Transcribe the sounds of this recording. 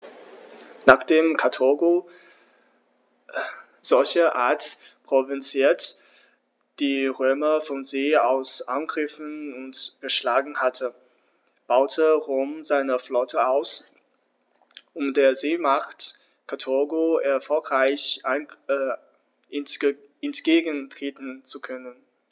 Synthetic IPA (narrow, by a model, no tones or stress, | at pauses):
naːχd̥eːmkʰatʰʊɐɡo | z̥ɔlçəʔaːɐt | pʁ̥ovɛnt͡siːɐt | d̥iːʁøːmɐfɔnzeːaʊsʔa̰nɡʁɪfn̩ʊntɡ̥əʃlaːɡŋ̩hatʰə | b̥aʊtʰəʁoːmzaɪnəflɔtʰəaʊs | ʔʊmdeːɐzeːmaχt | kʰatʰɔɐɡoɛɐfɔlkʁaɪçʔan | ɛntɡ̥eːɡən̩tʁ̥eːtn̩t͡sukʰœnən